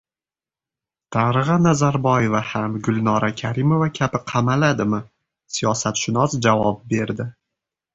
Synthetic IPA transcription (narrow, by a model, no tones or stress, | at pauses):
t̪ʰaɾɨʁanazaɾbɒje̞vahamɡʊlˠnɒɾakʲʰaɾɪmo̞vakʲʰabɪqʰɑmalad̪ɪmɪ | sijɒsat̪ʃʊnɒsd͡ʒavɒp̚be̞ɾd̪ɪ